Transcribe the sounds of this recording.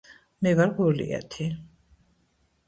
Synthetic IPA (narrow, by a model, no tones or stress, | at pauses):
mɛvaɾɡulḭɛ̰t̪ʰi